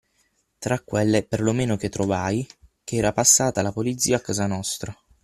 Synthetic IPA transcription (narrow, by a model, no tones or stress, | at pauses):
t̪ɾakːwelːeperlomeːnok̟et̪ːɾovajk̟eɛːɾapasːaːt̪alapolit̪sːiːaːkːazanɔst̪ɾa